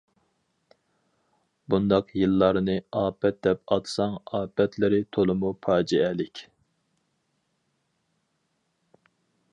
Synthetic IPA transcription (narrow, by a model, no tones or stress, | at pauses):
bund̪ɑqjɨlˠːɑɾnɨɑːpʰɛt̪̚d̪ɛpɑt̪sɑŋɑːpʰɛt̪lɪɾɪt̪ʰolˠɨmupʰɑːd͡ʒiɛlɪkʲ